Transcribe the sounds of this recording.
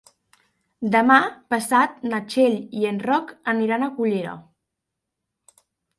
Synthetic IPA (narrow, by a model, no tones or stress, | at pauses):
d̪əmapəsat̪̚nət͡ʃeʎienrɔkəniɾanəkuʎeɾə̰